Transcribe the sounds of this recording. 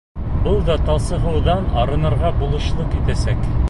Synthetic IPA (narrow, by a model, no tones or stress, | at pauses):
bɤlˠd̪ɑt̪ɑlˠsɤ̆ʁɤ̆wðɑnɑɾɤ̆nɤ̆ɾʁɑbulˠɤ̆ɕlˠɤqit̪æsæk